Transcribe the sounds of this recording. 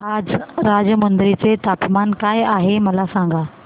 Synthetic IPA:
aːd͡ʑɾaːd͡ʑjəmɐnd̪ɾit͡set̪aːpmaːnkaːeaːɦemɐlasãːŋ̆ɡaː

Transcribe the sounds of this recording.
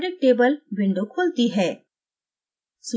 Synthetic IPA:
ɖɪk̚ʈeːbəlbɪ̃ɳɖokʰoːlt̪iɦɛː | su

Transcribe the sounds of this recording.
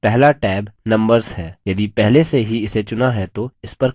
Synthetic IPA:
pɛɦlaʈɛːbnɐ̃mbəɾzhɛːjɐd̪ipɛɦleseɦiɪset͡ʃʊnaɦɛt̪oɪspɐɾ

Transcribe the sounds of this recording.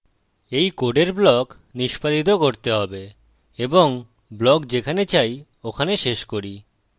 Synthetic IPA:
ejkoɖeɾblɔk | niʃpad̪it̪̬okoɾt̪eɦɔbe | eboŋ | blɔkd͡ʑekʰanet͡ɕaj | okʰaneʃeʃkoɾi

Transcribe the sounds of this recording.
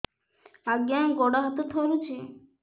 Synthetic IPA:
aɡjaɡɔɽaɦat̪ot̪ʰɔɾut͡ʃʰe

